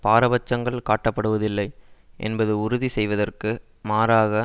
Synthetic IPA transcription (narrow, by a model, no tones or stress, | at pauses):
paːɾɐbɐt͡ʃːɐŋɡɐɭkaːʈːɐpːɐɽɯʋɐðɪlːɐɪʔɛ̰nbɐðɯʊɾʊðisɛjʋɐðɐrkɯ | maːɾaːɣɐ